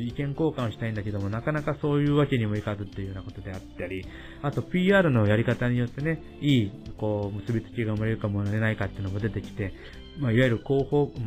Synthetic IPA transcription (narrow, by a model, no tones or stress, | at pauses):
ikẽ̞ŋko̞ːkãõɕi̥t̪aĩnd̪ake̞d̪omo̞nakanakaso̞ːjɯ̟ːβake̞ɲ̟imo̞ikazɨt̪ːe̞jɯjɯːnako̞t̪o̞d̪e̞at̪ːaɾʲi | at̪o̞pʲiːaːɾɯ̟no̞jaɾʲikat̪aɲ̟ijo̞t̪ːe̞ne̞ | iːko̞ːmɯ̟sɨbʲitɨ̥kʲiɡaɯ̟maɾe̞ɾɯ̟kamoɾe̞naikat̪ːeɯ̟nomo̞d̪e̞t̪e̞kʲi̥t̪e̞ | maiβajeɾɯ̟ko̞ːhoː